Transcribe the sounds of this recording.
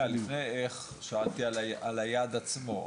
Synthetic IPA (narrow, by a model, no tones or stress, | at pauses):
alifnejeχ | ʃaalt̪iaʔalajad̪at͡smo